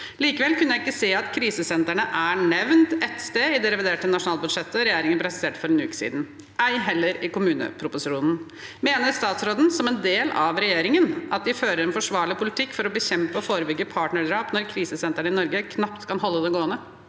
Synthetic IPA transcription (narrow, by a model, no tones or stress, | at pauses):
liːkəʋɛlkʉnːjæɪkːəseːɑt̪kʰɾiːsəsɛnt̪əɳəʔæɳɛʋnt̪ɛt̪st̪eːɪd̪ɛɾɛʋɪd̪eːʈənɑʂʊnɑːlbʉd̪ʂɛt̪ːəɾɛjeːɾɪŋənpʰɾɛsɪ̥seːʈfɔɾɛnʉ̰ːksḭːd̪n̩ | æɪɦɛlːəɾɪkʊmʉːnə̰pʰɾʊpʊsɪʂuːnn̩ | meːnəɾst̪ɑːt̪sɾoːd̪n̩sɔmɛnd̪eːlɑʋɾɛjeːɾɪŋənɑt̪̚d̪ɪføːɾəɾɛnfɔʂʋɑːɭɪpʰʊlɪt̪ʰɪkːfɔɾɔbəɕɛmpəɔfoːɾəbʏɡːəpʰɑːʈɳəɖ̪ɾɑːpnɔɾkʰɾiːsəsɛnt̪əɳəɪnɔɾɡəkʰnɑpt̪kʰɑnɦɔlːəd̪ɛɡoːənə